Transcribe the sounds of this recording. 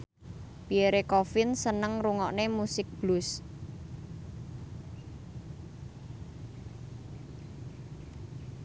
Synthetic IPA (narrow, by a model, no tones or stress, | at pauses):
b̥ieɾekɔfɪnsənəŋruŋɔʔnemusɪk̚b̥lus